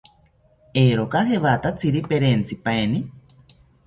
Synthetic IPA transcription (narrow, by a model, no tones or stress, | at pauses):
eɾokaheβat̪at͡siɾipeɾent͡sipaeni